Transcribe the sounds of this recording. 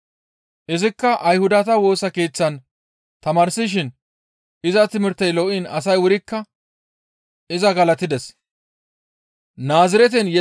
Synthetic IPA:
ʔɪzɪkːɐʔɐjhʊd̪ɐt̪ɐwo̞ːsɐke̞ːt͡sːɐn | t̪ɐmaːɾsɪʃ̬ɪn | ɪzɐt̪ɪmɪɾt̪ːɛjlɔʔɪnɐs̬ɐjwʊɾɪkːɐ | ɪzɐɡɐlɐt̪ːɪd̪ɛs | naːzɪɾɛt̪̬ɛnjɛ

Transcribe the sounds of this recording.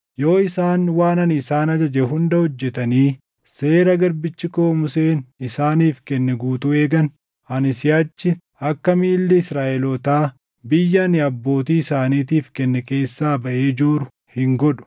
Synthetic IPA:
jo̞ːɪsaːnwaːnɐnɪsaːnɐd͡ʒɐd͡ʒɛɦʊnd̪ɐhɔd͡ʒːɛt̪ɐniː | se̞ːɾɐɡɐɾbɪt͡ʃːɪko̞ːmʊseːnɪsaːniːfkɛnːɛɡuːt̪ʊeːɡɐn | ɐnɪsɪjaːt͡ʃːɪ | ɐkːɐmiːlːɪɪsɾaːʔɛlɔt̪aː | bɪjːɐnɪɐbːo̞ːt̪iːɪsaːniːt̪iːfkɛnːɛke̞ːsːaːbɐʔeːd͡ʒuːɾʊ | hɪŋɡɔᶑʊ̥

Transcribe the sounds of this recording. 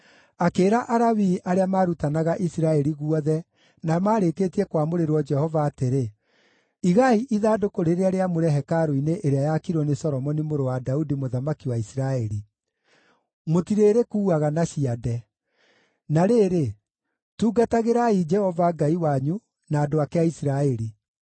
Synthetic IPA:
akeːɾaʔaɾawiʔaɾeamaːɾutanaɣaʔisiɾaɛɾiɣuɔðɛ | namaːɾekeːtiɛkwamoɾeɾwɔd͡ʒɛhɔvaːteɾe | iɣaiʔiðaːdokoɾeɾeaɾeamoɾɛɦɛkaɾoineʔeɾeajakiɾɔnesɔɾɔmɔnimoɾowadaudimoðamakiwaisiɾaɛɾi | motiɾeːɾekuːaɣanaɕiadɛ | naɾeːɾe | tuːɡataɣeɾaid͡ʒɛhɔvaɡaiwaɲu | naːdoakeaisiɾaɛɾi

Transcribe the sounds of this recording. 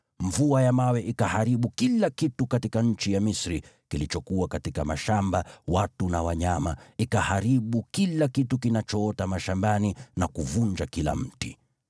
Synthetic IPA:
ɱvuajamawɛʔikahaɾiɓukilakitukatikaɲ̩t͡ʃijamisɾi | kilit͡ʃɔkuwakatikamaʃambawatunawaɲamaikahaɾiɓukilakitukinat͡ʃɔɔtamaʃambaninakuvuɲd͡ʒakila̰m̩tḭ

